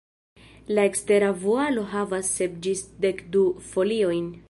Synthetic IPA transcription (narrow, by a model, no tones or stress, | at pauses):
lae̞kste̞ɾavualo̞ɦavasːe̞pd͡ʒisde̞kdufo̞lio̞jn